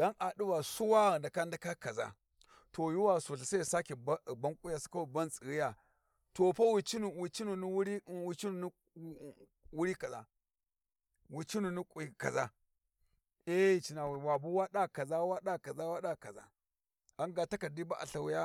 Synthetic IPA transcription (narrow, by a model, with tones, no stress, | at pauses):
d̥a˦nʔa˨du˦wa˨su˦wa˦ɣə˨nda˨ka˦n˦da˦ka˦ka˨za̰˦ | to˨ju˦wa˨su˨ɬa˨sa˦˨sa˦ki˨ba˦˨ba˦ŋkʷʼu˦ja˨su̥˨ka˦wu˨ba˦nt͡sʼi˨ɣi˦ja˨ | to˨pa˦wi˨t͡ʃi˦nu˨wi˨t͡ʃi˦nu˨n˦ɾi˦wi˨t͡ʃi˦nu˨n˦ | wu˦ɾi˦ka˨za̰˨ | wi˨t͡ʃi˦nu˨ni˦kʼu˨ka̰˨za˦ | e˦i˨t͡ʃi˨na˨wi˨wa˨bu˦wa˦ɗa˦ka˨za˦wa˦ɗa˦˨ka˨za˦wa˦ɗa˦˨ka˨za̰˨ | a˨˦nɡa˨ta˦ka˨di˦ba˦ʔa̰˨ɬa˨wu˦ja˦